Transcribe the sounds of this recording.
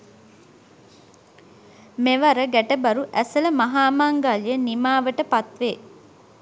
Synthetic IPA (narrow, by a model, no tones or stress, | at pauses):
meʋaɾəɡæʈəbɐɾuʔæsələmaɦaːmaŋɡaːlijənimaːʋəʈəpat̪ʋeː